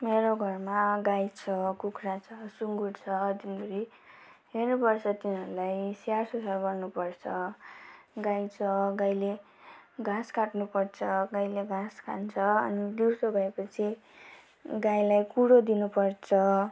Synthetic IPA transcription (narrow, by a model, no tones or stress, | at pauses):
meɾoɡʱʌrmaɡajt͡sʰʌkukʰrat͡sʰʌsuŋɡuɽt͡sʰʌd̪inbuɾi | ɦernupʌrt͡sʰʌt̪inɦʌɾulajsjarsusarbʌrnupʌrt͡sʰʌ | ɡajt͡sʰʌɡajle | ɡãskaʈnupʌrt͡sʰʌɡajleɡãska̰nt͡sʰʌʌ̰nid̪iɾsoɡʱʌepʌt͡sʰi | ɡajlajkuɽod̪inupʌrt͡sʰʌ